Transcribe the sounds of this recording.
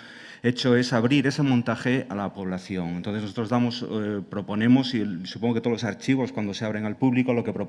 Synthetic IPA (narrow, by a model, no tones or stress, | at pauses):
e̞t͡ʃoe̞saβ̞ɾiɾe̞se̞mont̪axea̰lapo̞β̞laθjo̞ŋent̪onθenosot̪ɾzðamospɾo̞po̞nẽ̞mo̞sisu̥poŋɡoet̪olosaɾt͡ʃiβ̞o̞skwand̪o̞se̞aβɾeŋalpuβlikoloke̞pɾo